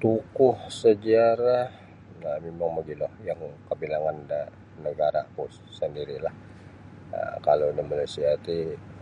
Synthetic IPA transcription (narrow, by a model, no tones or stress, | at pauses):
t̪ukʊhsəd͡ʒaɾa | ŋamemaŋbəɡilɔhjaŋkəbilaŋanda | nəɡaɾa̰pʊs | səndiɾilah | ə̰kalodəmanusiat̪i